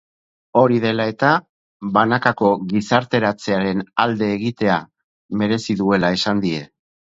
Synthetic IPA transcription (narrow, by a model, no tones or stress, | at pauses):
o̞ɾiðe̞lae̞t̪a | βanakako̞ɣisaɾt̪e̞ɾat͡se̞aɾe̞nald̪e̞ːɣit̪e̞a | me̞ɾe̞siðue̞lae̞sand̪ie̞